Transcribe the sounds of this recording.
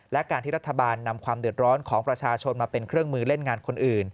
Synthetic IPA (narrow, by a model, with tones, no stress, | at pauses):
lɛ˦˥ʔkaː˧nt̪ʰiː˥˩ɾa˦˥t̪ʰːa˧baː˧nːa˧mkʰwaː˧md̪ɯ˨˩ət̪̚ɾɔː˦˥nkʰɔː˩˦ŋpɾa˧t͡ɕʰaː˧t͡ɕʰo˧nmaː˧pe˧nkʰɾɯ˥˩əŋmɯː˧le˥˩nŋaː˧nkʰo˧nʔɯː˨˩n